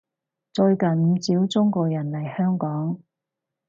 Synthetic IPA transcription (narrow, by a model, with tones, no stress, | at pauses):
t͡ʃɵ˧ɥkɐ˨˩nm̩˨˧t͡siː˨˥wt͡sʊ˥ŋkɔː˧jɐ˨˩nlɐ˨˩jhœː˥ŋkɔː˨˥ŋ